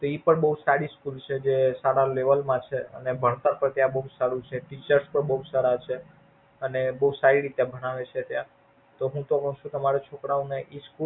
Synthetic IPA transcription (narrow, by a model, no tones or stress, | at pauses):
t̪ipəɳbəɦusaɾiskult͡ʃʰed͡ʒesaɾaleʋəlmãt͡ʃʰeə̰nebʱəɳ̃t̪əɾpəɽt̪jãbəɦusaɾũt͡ʃʰeʈit͡ʃəɾspəɳbəusaɾat͡ʃʰe | ənebəɦusaɾiɾit̪eabʱəɽ̃aʋet͡ʃʰet̪jã | t̪oɦũt̪okəʃũt̪əmaɾet͡ʃʰokɽaũneʔisku